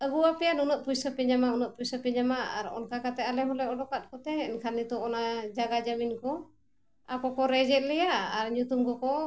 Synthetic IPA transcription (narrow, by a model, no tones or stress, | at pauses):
əbuwapɛjanunəʔ̚pujsɔpɛɲamaunəʔpujsɔpɛɲamaa̰ɾɔ̰nkakat̪ɛalɛɦɔlɛɔdɔkat̪̚kɔt̪ɛɛnkʰanːit̪ɔɔnad͡ʒaɡad͡ʒaminkɔ | akɔkɔɾɛd͡ʒɛʔ̪̚lɛjaʔːɾɲut̪umkɔkɔ